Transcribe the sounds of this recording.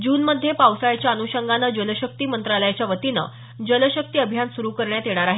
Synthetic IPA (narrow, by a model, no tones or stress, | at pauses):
d͡ʑuːnməd̪ʱjepawsajat͡ɕjaənuɕəŋɡanəd͡ʑələɕək̚t̪iːmənt̪ɾaləjat͡ɕjaʋət̪inə̰ | d͡ʑələɕək̚t̪iːəbʱjansuɾukəɾɳjat̪eɽ̃aɾaɦe